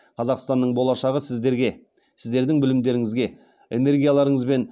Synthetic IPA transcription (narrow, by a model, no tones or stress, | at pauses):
qʰɑzɑqst̪ɑnːəɴbo̞lˠɑʃɑʁəsɪzd̪ɾɡʲe | sɪzd̪e̞ɾd̪ɪŋbɪlɪmd̪e̞ɾɪŋɪzɡʲe̞ | e̞̰ne̞ɾɡʲijalˠɑɾəɴəzbe̞n